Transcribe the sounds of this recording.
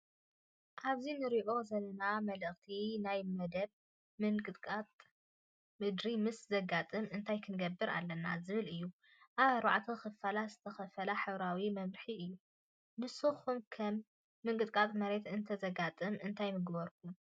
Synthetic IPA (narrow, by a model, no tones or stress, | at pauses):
ʔaβzinɨɾiʔo̞zɐlɐnamɐlɨχt̪ʰinajmɐd̪ɐβ | mɨŋkʼɨt̪ʼkʼat̪ʼ | mɨd̪ɾimɨszɐɡat̪ʼɨmɨnt̪ʰajkʰɨnɡɐbːɨɾʔa̰lːɐna̰zɨβɨlɨjːu | ʔaβɾa̰ʕt̪ʰixɨfalaz̥ɨt̪ʰɐxɐfɐlaħɨβɾawimɐβɾħiʔɨjːu | nɨsɨxumkʰɐmː | ɨŋkʼɨt̪ʼkʼat̪ʼmɐɾe̞t̪ɨnt̪ʰɐzɐɡat̪ʼɨmɨnt̪ʰajmɨɡbɐɾkʰum